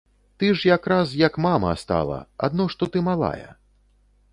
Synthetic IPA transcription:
t̪ɨʐjakɾas̬jɐkmamɐst̪a̰lˠɐ̰a̰d̪̚nɔʂt̪ɔt̪ɨmalˠa̰jɐ̰

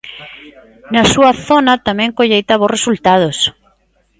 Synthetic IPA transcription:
nasuaθonat̪amẽŋkoʎejt̪aβoresult̪að̞os

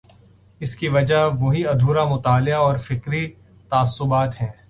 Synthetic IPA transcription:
ɪskiʋɐd͡ʒaʋoɦiɐd̪ʱuːɾamʊt̪aːlɪjaɔːɾfɪkɾi | t̪aːsːʊbaːt̪ɦɛ̃ː

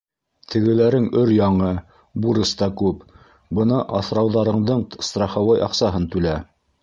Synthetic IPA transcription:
t̪ʰɘ̆ɡɘ̆læɾɘŋɵɾjɑɴɤ | buɾɤst̪ɑkʉp | bɤ̆nɤʔɑθɾɑwðɑɾɤ̆ɴd̪ɤɴst̪rɑχɑwɑjʔɑ̰qsɑɦɤnt̪ʉlæ

